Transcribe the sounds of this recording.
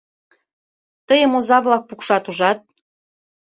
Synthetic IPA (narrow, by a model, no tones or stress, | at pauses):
t̪əjəmozɑβlɑk̚pukʃɑt̪uʒɑt̪̚